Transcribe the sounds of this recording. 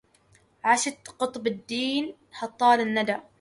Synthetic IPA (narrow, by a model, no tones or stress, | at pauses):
ʕaʃat̪qʊt̪ˤbd̪ːiːn | hɑt̪ˤːɑːlɪnːad̪a